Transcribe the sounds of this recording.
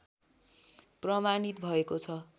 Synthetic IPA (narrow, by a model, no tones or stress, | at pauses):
prʌmanit̪̚bʱʌekot͡sʰʌ